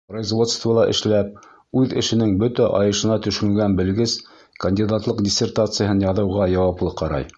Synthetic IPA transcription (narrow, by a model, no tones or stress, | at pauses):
projzvo̞t̪st̪volˠɑʔɘ̰̆ʃlæp̚ | ʉðɘ̰̆ʃɘ̆nɘŋbɵt̪æʔɑjɤ̆ʃɤ̆nɑt̪ɵ̆ʃɵ̆ŋɡænbɘ̆lɡɘs | kɐnʲdʲid̪at̪lˠɤqdʲɪsʲert̪at̪sɨjəɦɤnjɑðɤ̆wʁɑjɑwɑplˠɤqɑɾɑ̰j